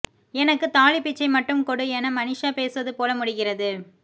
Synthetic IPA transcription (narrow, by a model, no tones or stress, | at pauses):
ɛnɐkːɯt̪aːlɪpːɪt͡ʃːɐɪmɐʈːɯmkɔɽɯɛnɐmɐnɪʂaːpeːsɯʋɐðɯpoːlɐmʊɽɪɣɪrɐðɯ